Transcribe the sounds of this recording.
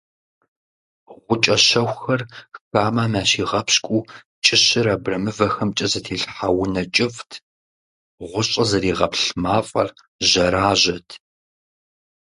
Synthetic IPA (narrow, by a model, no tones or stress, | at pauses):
ʁʷʊt͡ʃʼɐɕɐwʷxɐrxaːmaːmaːɕiːʁɐpskʷʼuː | t͡ʃʼɪɕɪɾaːbrɐmɨvɐxɐmt͡ʃʼɐzɐtʰeːɬħawʊnɐt͡ʃʼɪftʰ | ʁʷʊɕʼɐzɐɾiːʁɐpɬmaːfʼɐ̰r | ʑɐɾaːʑɐtʰ